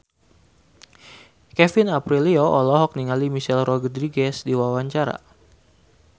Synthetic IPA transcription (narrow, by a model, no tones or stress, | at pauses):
kɛfinapɾilioʔɔlɔɦɔk̚niŋalimiʃɛlrɔɡədɾiɡɛsdiwawaɲt͡ʃaɾa̰